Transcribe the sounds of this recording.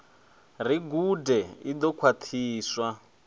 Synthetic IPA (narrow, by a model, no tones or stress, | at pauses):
riɡudɛid̪ɔkʰwat̪ʰiːswa